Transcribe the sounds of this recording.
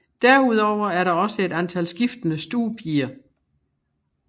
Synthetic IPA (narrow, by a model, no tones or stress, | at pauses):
d̥æɐuð̞ˠɒʊ̰ɐæɐɾɑ̈ɒ̽səe̝d̥ænt͡sʰælsɡ̥ifd̥ənəsd̥uːpʰiːɐ